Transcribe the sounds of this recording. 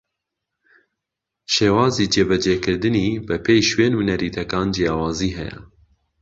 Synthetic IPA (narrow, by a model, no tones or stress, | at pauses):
ʃeːwɑːziːd͡ʒeːbɛd͡ʒeːkɨɾd̪ɨniːbɛpʰeːjʃweːnhunɛɾiːt̪ʰɛkɑːnd͡ʒejɑːwɑːziːɦɛjɛ̰